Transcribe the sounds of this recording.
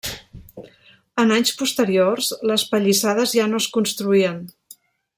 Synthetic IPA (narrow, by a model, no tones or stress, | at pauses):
ənaɲspust̪əɾiorzləspəʎisað̞əzʒanoəskunst̪ɾuiən